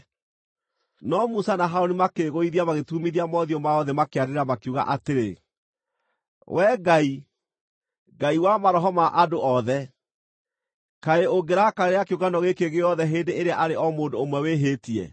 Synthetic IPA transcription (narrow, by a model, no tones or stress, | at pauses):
nɔmusanaɦaɾonimakeɣoiðiamaɣetumiðiamɔðiɔmaɔðɛmakeaɾeɾeɾamakuɣa̰ʔateɾe | wʔɛːɡai | ɡaiwamaɾɔɦɔmaʔadoʔɔðɛ | kaeoɡeɾakaeeakeuɣanɔɣekeɣeɔðɛɦeːndeeɾeaʔaɾeɔmoːndoːmwɛweɦeːtiɛ̰